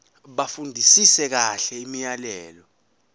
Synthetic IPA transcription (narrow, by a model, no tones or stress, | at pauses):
ɓafundʱisisɛk̬aɬɛimijalɛːlɔ